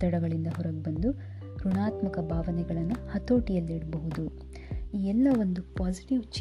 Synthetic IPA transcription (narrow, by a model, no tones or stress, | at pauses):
t̪ːɐɽɐɡɐɭind̪ɐɦɔɾɐɡ̚bɐnd̪u | ɾuɳaːt̪mɐkɐbʱaːʋɐnɛɡɐɭɐnːuhɐt̪o̞ːʈijɐlːiɽbɐɦud̪u | iːɛlːɐʋo̞nd̪upaːsiʈiʋt͡ʃ